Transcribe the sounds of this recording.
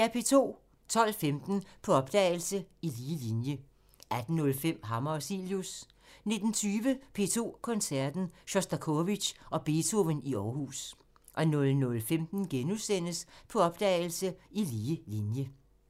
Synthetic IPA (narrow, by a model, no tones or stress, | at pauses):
æɐpʰe̝̰ːt͡sʰo̝̰ː | t͡sʰɒ̽l̰femd̥n̩pʰɒ̽ɒ̽b̥d̥ɛ̰ːɪl̩səiliːlinjə | ʔæd̥n̩ːɔ̽lfem̰ɦɑmɐɒsiljus | ne̝d̥n̩t͡sʰyːʋəpʰe̝̰ːt͡sʰo̝̰ːkʰɒ̽nsæɐd̥n̩ɕɒsd̥ækʰoʋi̥ʔɒ̽b̥e̝t͡sʰo̝ʋəniɒːhṵːs | ʔɒ̽nɔ̽lnɔ̽lfemd̥n̩ɡ̥enuðˠsen̰əspʰɒ̽ɒ̽b̥̚d̥ɛ̰ɪl̩səiliːlinjə